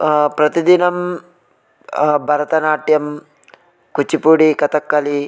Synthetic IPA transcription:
pɾɐt̪id̪inɐm | bʱɐɾɐt̪ɐnaːʈjɐm | kut͡ʃipuɽikɐt̪ɐkːɐli

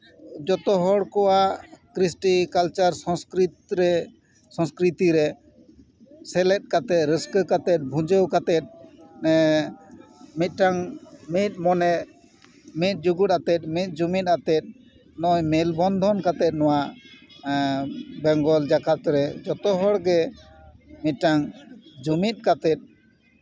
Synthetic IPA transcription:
d͡ʒɔt̪ɔɦɔɽkɔwakɾisʈikalt͡ʃaɾsɔ̃skɾit̪ɾɛ | sɔ̃skɾit̪iɾɛ | sɛlɛt̪̚kat̪ɛt̪ɾəskəkat̪ɛt̪̚bʱũd͡ʒəwkat̪ɛt̪̚ | mit̪̚ˀʈaŋmit̪̚mɔnɛ | mit̪̚d͡ʒuɡuʈat̪ɛt̪̚mit̪̚ˀd͡ʒumit̪̚at̪ɛt̪̚ | nɔjmɛlbɔnd̪ʱɔnkat̪ɛt̪̚nɔwa | bɛŋɡɔld͡ʒakʰat̪ɾɛd͡ʒɔt̪ɔɦɔɽɡɛ | mit̪̚ʈaŋd͡ʒumit̪̚kat̪ɛt̪̚

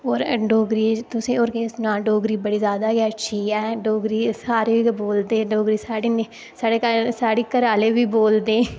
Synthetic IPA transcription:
oːɾɖoːɡɾiːt̪ʊsẽːoːɾkesnãːɖoːɡɾiːbəɽiːzjaːd̪aːɡɛːətːʃʰiːɦɛːɖoːɡɾiːsaːɾeːiːboːld̪eːɖoːɡɾiːsaːɽiːne | saːɽeːkəlsaːɽeːkəɾaːleːʋiːboːld̪eː

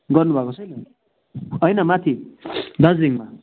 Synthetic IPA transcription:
ɡʌrnubʱakosʰʌjnʌ | ʌjnʌmat̪ʰid̪ʌd͡ziŋma

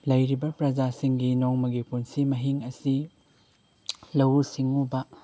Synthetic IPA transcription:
lɐjɾibɐpɾɐd͡ʒasiŋɡinoŋmɐɡipunsimɐɦiŋɐsi | lɐwsiŋubɐ

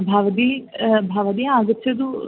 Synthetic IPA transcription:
bʱaʋd̪ibʱaːʋɐd̪iaːɡət̪sɐd̪u

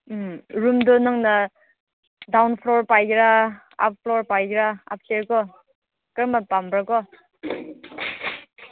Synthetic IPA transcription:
ɾumdɔnaŋna | dawnpʰlɔɾpajɡɾa | a̰p̚ʰpʰlɔɾpajɡɾaa̰p̚seɾkɔ | kɯɾmapambɾakɔ

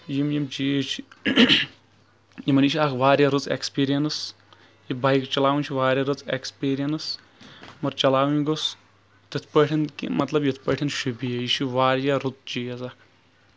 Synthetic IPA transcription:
jimjimd͡ʒiːt͡ʃʰi | jimɐniʃiakʰʋaːɾʲjaɾut͡sḛkspiːɾijɐnɐs | jibaːjkt͡ʃɐlaːwunʲt͡ʃʰiʋaːɾʲjaɾut͡sḛkspiːɾijɐnɐs | mɐɾt͡ʃɐlaːwiɡos | t̪ɨt̪ʰpəʈʰinkḭmɐt̪lɐbjit̪ʰpəʈʰinʃubiɐjiʃiʋaːɾjaɾut͡s̪d͡ʒiːɐzakʰ

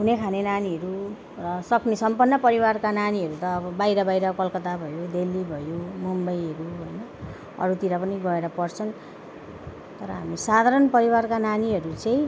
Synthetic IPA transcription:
ɦunekʰanenaniɦʌɾu | rʌsʌknesʌmpʌnːʌpʌɾiwarkananiɦʌɾut̪ʌːbʌbajɾʌbajɾʌkʌlkʌt̪abʱʌjod̪elːibʱʌjomumbʌjɦʌɾuɦojnʌ | ʌ̰ɾut̪iɾapʌniɡʌeɾʌpʌrt͡sʰʌn | t̪ʌɾʌɦamisad̪ʱaɾʌnpʌɾiwarkananiɦʌɾut͡saĩ

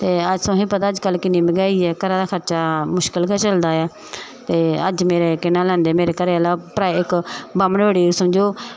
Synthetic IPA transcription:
t̪eːəd͡ʒsõːɦipət̪aːəd͡ʒkəlkɪnːiːməɡaːiːɛːkəɾaːd̪aːkʰəɾt͡ʃaːmʊʃkɪlkɛːt͡ʃəld̪aːɛː | t̪eːəd͡ʒmeːɾeːkɪnãːlɛ̃ːnd̪eːmeːɾeːkəɾeːalaːpɾaːeɪkbaːmənʋeːɽiːusəmd͡ʒoː

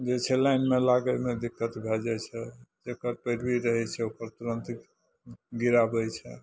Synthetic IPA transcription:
d͡ʒet͡ʃʰɛlajnmelaɡəmed̪ikːət̪bʱɛd͡ʒat͡ʃʰɛd͡ʒekəɾpəɾbiɾəɦɛt͡ʃʰɛukəɾt̪uɾənt̪ | ɡiɾabət͡ʃʰɛ̰

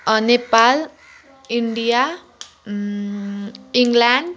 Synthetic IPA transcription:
ənepal | iɳɖia | iŋɡlaɳɖ

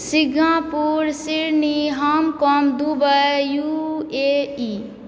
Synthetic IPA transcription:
siɡʱãpuɾsiɾniɦamkɔmd̪ubəjuei

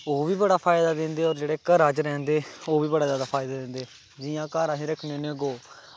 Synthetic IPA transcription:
oːʋiːbəɽaːpʰaːɪd̪aːd̪ɪ̃nd̪eːɔːɾd͡ʒeːɽeːkəɾaːd͡ʒɾɛ̃ːnd̪eːoːʋiːbəɽaːzaːd̪aːpʰaːɪd̪aːd̪ɪ̃nd̪eː | d͡ʒɪːãːkaːɾãːɦĩːɾəkʰneoneːɡoː

